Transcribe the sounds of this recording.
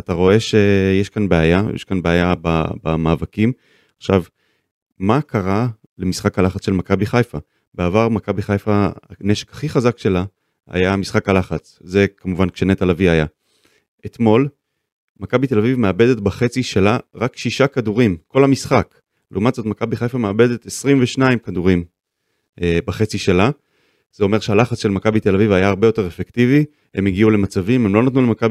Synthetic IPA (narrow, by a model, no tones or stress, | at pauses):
at̪aʁo̞e̞ʃe̞jeʃkanbeaja̰jḛʃkanbeajaba̰bamaːvakim | aχʃav | makʰaʁa | le̞misχakhalaχat͡sʃe̞lmakabiχajfa | beavaʁmakabiχajfaneʃekhḁχiχazakʃe̞la | a̰jamisχakhalaχat͡s | zekamuvankʃenet̪alaviaja | et̪mo̞l | makabit̪e̞lavivmeabe̞d̪e̞t̪baχe̞t͡siʃelaʁakʃiʃakaduʁimko̞lamisχak | leumat̪zo̞tmakabiχajfameabe̞d̪et̪esʁimveʃnaimkad̪uʁim | baχe̞t͡siʃela | z̥eo̞me̞ʁʃealaχat͡sʃelmakabit̪e̞lavivajaːʁbejote̞ʁefektivi | hemiɡiule̞mat͡savime̞mlo̞nat̪nulmakabi